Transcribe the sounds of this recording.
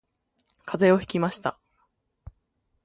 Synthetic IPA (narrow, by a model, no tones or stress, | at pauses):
kʰaze̞o̞çi̥kʲimaɕi̥t̪a̰